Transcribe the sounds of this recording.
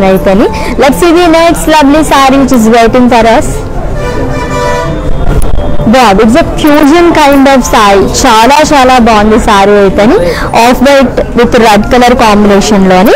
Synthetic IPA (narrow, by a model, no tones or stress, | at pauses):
nɐjit̪ɐni | lɛʈsiːʋiːnejʈslɐblisaːɾiʋit͡ʃizʋeːʈĩŋɡfɐɾɐs | baːd̪iʈzefjuːd͡ʒɐnkaɪɳɖɔːfsaːjt͡ʃaːlaːt͡ʃaːlaːbɔːnd̪isaːɾiɐjit̪ɐni | ɔːfʰbejʈʋit̪ɾɐɖkɐlɐɾkaːmbineːʃɐnloːni